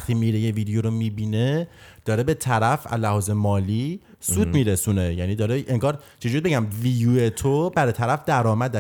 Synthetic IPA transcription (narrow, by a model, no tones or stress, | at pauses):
xt̪ʰiːmiːɾejeviːd̪ejoɾomiːbiːned̪̥ɒːɾe̞be̞t̪ʰæɾæfæ̰zlːæhɒːzemɒːliː | suːd̪miːɾesuːnejæniːd̪ɒːɾeʔeŋɡɒːɾ | t͡ʃʰed͡ʒuɾibe̞ɟæmviːjuːet̪ʰobæɾet̪ʰæɾæfd̪æɾɒːmæd̪æ